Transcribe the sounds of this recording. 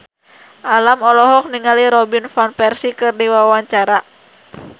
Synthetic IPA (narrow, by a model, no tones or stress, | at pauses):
ʔalamɔlɔɦɔk̚niŋaliɾɔbinfɔnpɛrsikɨrdiwawaɲt͡ʃaɾa